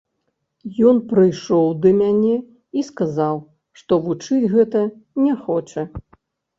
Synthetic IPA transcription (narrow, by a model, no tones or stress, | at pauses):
jɔnpɾɨjʂɔwd̪ɐmʲanʲɛ | iskazaw | ʂt̪ɔvut͡ʂɨd͡zʲɣɛt̪ɐnʲɛxɔt͡ʂɐ